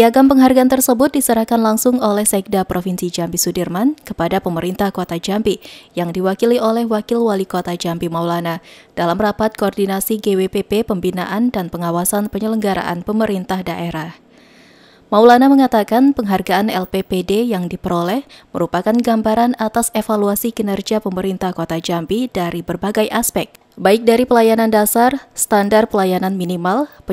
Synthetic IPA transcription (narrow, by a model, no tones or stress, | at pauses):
piaɡampəŋɦarɡaant̪ərsəbʊt̪̚disəɾahkanlaŋsʊŋolɛhsɛk̚dapɾofinsid͡ʒambisudirmankəpadapəməɾint̪ahkot̪ad͡ʒambijaŋdiwakiliolɛhwakɪlwalikot̪ad͡ʒampimawlanad̥alamrapat̪̚koːrdinasiɡewepepepəmbina̰ʔandanpəŋawasanpəɲələŋɡaɾa̰ʔa̰npəməɾint̪ahdaʔeɾah | mawlanaməŋat̪akanpəŋɦarɡaanɛlpepedejaŋdipəɾolɛhməɾupakanɡambaɾanat̪asefaluasiɡənərd͡ʒapəməɾint̪ahkot̪ad͡ʒampidaɾibərbaɡajʔaspɛk̚ | baɪk̚daɾipəlajanandasarsə̥t̪andar̚pəlajananminimalp